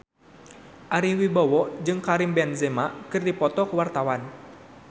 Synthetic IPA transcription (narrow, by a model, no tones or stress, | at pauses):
ʔaɾiwibɔwɔd͡ʒɨŋkaɾimbɛnzɛmakɨrdipɔt̪ɔkəwart̪awan